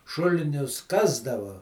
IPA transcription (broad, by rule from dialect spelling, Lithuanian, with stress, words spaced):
ˈʃʊlʲɪnʲʊs ˈkɑːzdɐʋɐ